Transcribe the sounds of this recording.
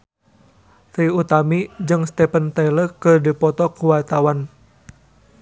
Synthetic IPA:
t̪iut̪amid͡ʒɨŋst̪ɛpənt̪eləkɨrdipɔt̪ɔkuwart̪awan

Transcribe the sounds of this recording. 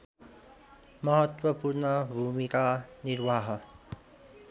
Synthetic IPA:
mɐɦət̪wəpuɾɳəbʱuːmikaniɾʋaːɦə

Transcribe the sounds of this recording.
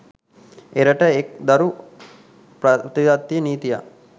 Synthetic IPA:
eɾəʈəek̚d̪ɐɾu | pt̪id̪at̪ːijəniːt̪ija̰

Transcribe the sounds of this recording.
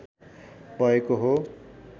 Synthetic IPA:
pʌekoɦo

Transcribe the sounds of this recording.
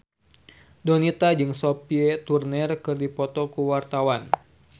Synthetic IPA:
donit̪ad͡ʒɨŋsopiɛt̪urnɛrkɨrdipɔt̪ɔkuwart̪awan

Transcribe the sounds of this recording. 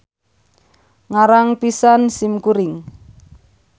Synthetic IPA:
ŋaɾaŋpisansimkuɾɪŋ

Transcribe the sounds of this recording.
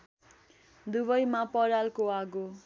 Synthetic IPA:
d̪uβʌjmapʌɾalkoaɡo

